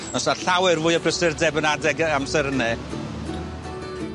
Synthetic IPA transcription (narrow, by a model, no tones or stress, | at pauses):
ɔsaɬawɛrvʊːɨəbʰrəsɪrdɛbənadɛɡamsɛɾənɛ